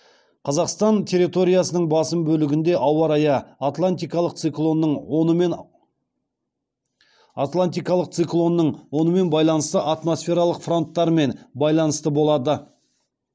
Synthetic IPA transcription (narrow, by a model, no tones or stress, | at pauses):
qʰɑzɑqst̪ɑnt̪ʲʰe̞ɾit̪o̞ɾʲijasənəɴbɑsəmbɵlɪɡʲɪnd̪e̞ʔɑwɑɾɑjɑt̪lˠant̪ikɑlˠəq̚t̪sɨklˠo̞nːəɴnn | at̪lˠant̪ijkɑlˠəq̚t̪sɨklˠo̞nːəɴwo̞nəme̞nbɑjlˠɑnəst̪əʔat̪mo̞sfʲe̞ɾɑlˠəqfro̞nt̪ːɑɾme̞nbɑjlˠɑnəst̪əbo̞lˠɑd̪ə